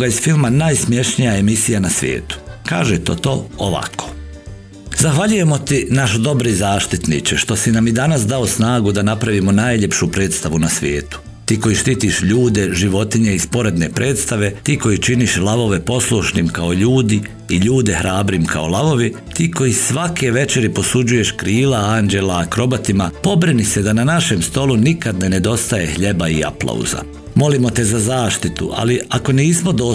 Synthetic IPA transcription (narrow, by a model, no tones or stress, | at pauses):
ɡaiz̥filˠmanaːjsmje̞ʃnijae̞misijanasʋʲjḛːt̪u̥ka̰ːʒet̪o̞̰t̪o̞̰ːo̰ʋa̰kʰo̥ | zaxʋaʎuje̞mo̞t̪inaʃd̪o̞bɾizaːʃt̪it̪nḭt͡ʃeʃt̪o̞sinamid̪anas̬d̪ao̞snaːɡud̪anapɾaʋimo̞naːjʎe̞pʃupɾe̞ːt̪st̪aʋunasʋjḛːt̪u̥ | t̪iːko̞jiʃt̪iːt̪iʃʎuːd̪e̞ʒiʋo̞t̪iɲe̞ispo̞ɾe̞d̪ne̞pɾʔe̞ːt̪st̪aʋe̞t̪iːko̞jit͡ʃiniʃlˠaʋo̞ʋe̞po̞slˠuʃnimkaoʎuːd̪i | iʎuːd̪e̞hɾaːbɾimkʰa̰o̞lˠaʋo̞ʋi | t̪iːko̞jisʋake̞ʋe̞t͡ʃe̞ɾipo̞sud͡ʑuje̞ʃkɾiːlaaːnd͡ʒe̞laːkɾo̞bat̪imapo̞bɾinise̞d̪ananaʃe̞mst̪o̞lunikad̪nene̞d̪o̞st̪aje̞hʎe̞baia̰plˠa̰ṵza̰ | mo̞limo̞t̪e̞zazaːʃt̪it̪ṵʔa̰liako̞niːsmod̪o